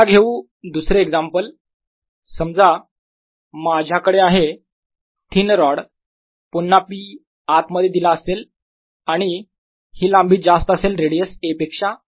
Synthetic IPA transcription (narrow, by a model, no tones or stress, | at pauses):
aɡʱeʋuː | d̪usɾeːɡd͡zampəl | səmd͡za | mad͡ʑʱjakəɽeaɦe | t̪ʰiːnɾɔɽ | punːapiː | at̪məd̪ʱːjed̪ilaəsel | aɽ̃i | hiːlambʱiːt̪̚d͡zast̪əəselɾeɽijəsepekʂa